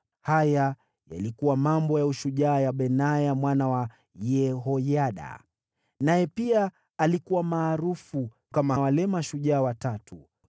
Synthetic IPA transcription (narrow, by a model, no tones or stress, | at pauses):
haja | ja̰likuwamambɔjauʃuʄaːjaɓɛnajamwanawa | jɛɦɔjaɗa̰ | najɛpia | alikuwamaːɾufu | kamawalɛmaʃuʄaːwatatʰu